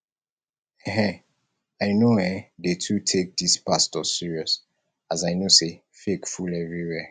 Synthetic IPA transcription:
ɛ̃ɦɛ̃ | aɪnoɛ̃detʰutʰek̚dispastɔsiɹiɔs | azaɪnose | fekfulɛvɹiwɛ

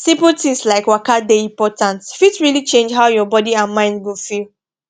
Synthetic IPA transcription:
sĩmputĩŋslaɪkwakadeĩmpɔtãntfitɹilit͡ʃẽnd͡ʒɦaʊjɔbɔdiãnmãɪ̃ndɡĩfil

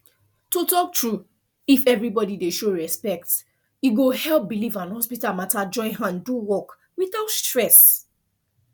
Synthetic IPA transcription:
totɔk̚tɹu | ifɛvɹibɔdideʃoɹɛspɛk̚t | iɡohɛlˠp̚bilivãnhɔspitamatad͡ʒɔ̃ɪ̃nɦãnduwɔk | wiθaʊtstɹɛs

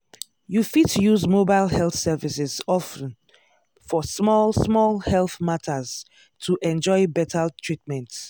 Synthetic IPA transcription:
jufidtʰujuzmobaɪlhɛlθsɛvisɪzɔfə̃n | fɔsmɔlsmɔlˠhɛlθmatʰəz̥ | tʰuʔɛ̃nd͡ʒɔɪbɛtʰatʰɹitmɛ̃nt

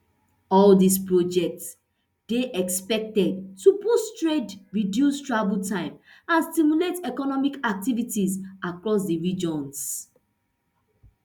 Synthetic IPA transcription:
ɔldispɹɔd͡ʒɛk̚ts | d̥eʔɛkspɛk̚tɛd̚tupustɹedɹidjustɹabultãɪ̃m | ãnstimuletɛkɔnɔmikak̚tivitizʔakɹɔs̬diɹid͡ʒɔ̃ns

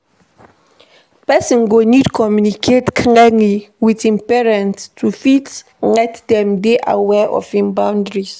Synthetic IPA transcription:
pɛsĩnɡonidkʰɔmjunikʰetkʰiŋɛŋiwitĩnpɛɹɛ̃nttʰufit | ŋɛtdɛmdeʔa̰wɛʔɔ̰fĩmbãwndɹis

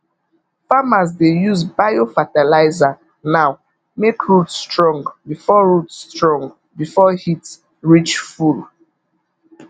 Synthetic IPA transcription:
famas̬dejuzbajofatalaɪza | naʊ | mekɹutstɹɔ̃ŋɡbifɔɹutstɹɔ̃ŋɡ | bifɔhit | ɹit͡ʃful

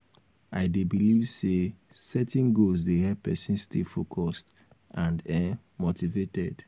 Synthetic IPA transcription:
aɪdebilivse | sɛtĩnɡolzdeɦɛpɛsĩnstilfokʰɔst | ãndɛ | motivetɛ̰d̥

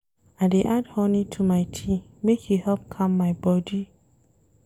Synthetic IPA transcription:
adeʔadhɔnĩtʰumaɪtʰĩmekhihɛp̚kʰãmːaɪbɔdi

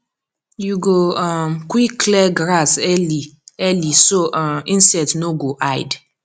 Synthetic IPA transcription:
juɡoɔmkwikːlɛɡɾasɛliɛlisoʔĩnsɛtnoɡoʔajd

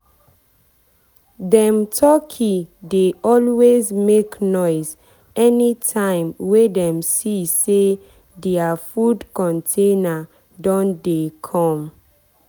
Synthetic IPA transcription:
dɛ̃mtʰɔkʰideɔlwezmeknɔɪz | ɛnitʰãɪ̃mwedɛ̃msise | dɛafudkɔ̃ntʰena | dɔ̃ndekʰɔ̃m

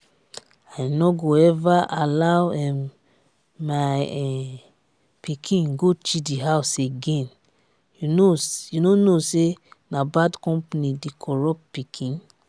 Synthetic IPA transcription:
ajnɔɡoɛvaʔalawɛm | maɛ | pikʰĩnɡot͡ʃidiɦawseɡẽn | junojunonosenabadkɔ̃mpnidekʰɔɹɔp̚pikʰĩn

